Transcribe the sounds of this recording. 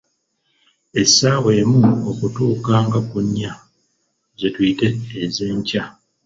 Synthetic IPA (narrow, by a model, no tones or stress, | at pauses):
e̞saweːmuokutuːkaːŋɡakuɲːa | zetwiːte̞ːzeːɲca